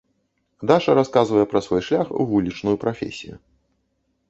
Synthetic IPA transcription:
d̪aʂɐɾaskazvɐjɛpɾɐsvɔjʂlʲaxṵvulʲit͡ʂnujupɾafʲḛsʲijṵ

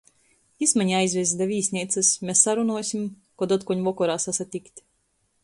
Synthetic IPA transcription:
ismaɲajzʲvʲizd̪avʲiːsʲnʲiɛt̪sɨsmʲesːaɾunuɔsʲim | kɔd̪ɔt̪kɔɲvɔkɔɾaːsasat̪ʲikt̪ʲ

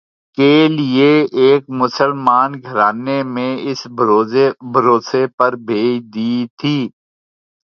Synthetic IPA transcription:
kelɪeeːk̚mʊsəlmaːnɡʱɐɾaːnemẽɪs | bʱɐɾoːsepɐɾbʱeːd͡ʒd̪iːt̪ʰiː

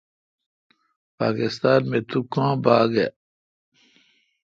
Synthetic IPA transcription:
pa̰ːkist̪aːnmet̪ukãːbaːɡe

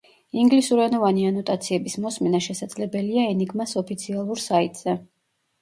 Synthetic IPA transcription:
iŋɡlisuɾanɔvanianɔt̪ʼat̪sʰiɛbismɔsmɛnaʃɛsad̪z̥lɛbɛliaɛniɡmasɔpʰit̪sʰialˠuɾsait̪ʼz̥ɛ

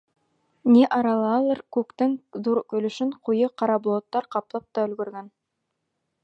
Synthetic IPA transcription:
neʔɑɾɑlˠɑlˠəɾkʲʰɵkt̪ɪŋd̪uɾkʲɵ̆lɵ̆ʃɪɴqʰujəqʰɑɾɑblˠot̪ːɑɾqʰɑpəlˠɑp̚t̪ɑɵ̆lɡɵ̆ɾɡʲen

